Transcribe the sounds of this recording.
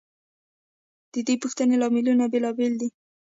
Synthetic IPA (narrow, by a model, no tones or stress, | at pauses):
d̪̥əd̪epuxt̪ənelɑmɪlunabelɑbeld̪i